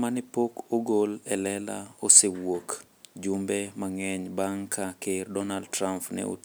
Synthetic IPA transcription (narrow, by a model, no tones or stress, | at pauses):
manɪpokoɡolɛlɛla̰osewok | d͡ʒumbɛmaŋɛɲbaŋkʰakerdɔnald̚tɾampnɛ̰o̰